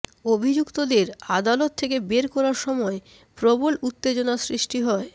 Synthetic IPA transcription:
obʱid͡ʑukt̪od̪eɾad̪alot̪ʰːek̬ebeɾkɔɾaɾʃɔmɔe | pɾobolut̪ːed͡ʑonasɾiʃʈiɦɔe

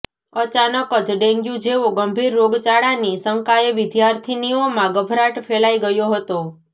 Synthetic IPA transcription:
ət͡ʃanəkəd͡ʒɖẽŋɡjũd͡ʒeʋoɡəmbʱiɾːoɡt͡ʃaɽanisəŋkajeʋɪd̪jaɾt̪ʰiniomãɡəbʱɾaʈfʰelaiɡəjoɦət̪o

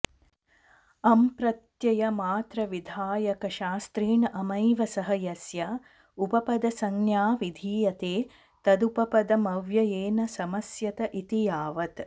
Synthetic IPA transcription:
ɐmpɾɐt̪jɐjɐmaːt̪ɾɐʋid̪ʱaːjɐkɐʃaːst̪ɾiːɳɐʔɐmɐjʋɐsɐɦɐjɐsjɐ | upɐpɐd̪ɐsɐŋnjaːʋid̪ʱiːjɐt̪eː | t̪ɐd̪upɐpɐd̪ɐmɐʋjɐjeːnɐsɐmɐsjɐt̪ɐʔit̪ijaːʋɐt̪

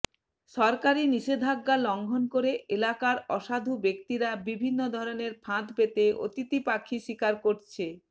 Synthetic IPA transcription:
ʃɔɾkaɾiniʃed̪ʱaɡːalɔŋɡʱonkoɾeelakaɾɔʃad̪ʱubekt̪iɾabibʱinːod̪ʱɔɾoneɾpʰãt̪pet̪eo̰t̪it̪ipakʰːiʃikaɾkoɾt͡ɕʰe

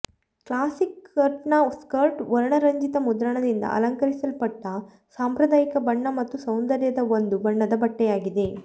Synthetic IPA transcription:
klaːsikːɐɾʈɳaskɐɾʈʋɐɾɐɳɐɾɐɲd͡ʒit̪ɐmud̪ɾɐɳɐd̪ind̪ɐ̰ʔɐ̰lɐŋkɐɾisɐlpɐʈːɐ | saːmpɾɐd̪aːjikɐbɐɳːɐmɐt̪ːusɐwnd̪ɐɾjɐd̪ɐond̪ubɐɳːɐd̪ɐbɐʈːɛjaːɡid̪e̞

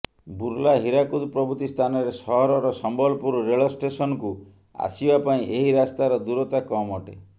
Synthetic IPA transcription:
buɾlaɦiɾakud̪pɾɔbut̪ist̪ʰanɔɾesɔɦɔɾɔɾɔsɔmbɔlpuɾɔɾeɭɔsʈesɔnɔku | a̰sibapaĩʔeɦiɾast̪aɾɔd̪uɾɔt̪akɔmɔʈḛ

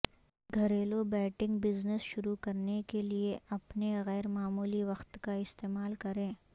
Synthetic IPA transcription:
ɡʱɐɾeːlobɛːʈɪ̃ŋɡbɪznəsʃʊɾukɐɾnekelieʔɐpneɣɛːɾmaːmuːliʋɐxt̪kaɪst̪eːmaːlkɐɾẽː

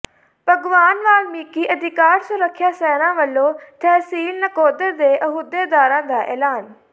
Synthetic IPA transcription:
pəɡʋaːnʋaːlmiːkiːʔəd̪ɪkaːɾsʊɾəkʰːjaːsɛːnãːʋəlːõːt̪ʰɛːsiːlnəkoːd̪əɾd̪eːʔəɦud̪eːd̪aːɾãːd̪aːʔɛ̰ːlaːn

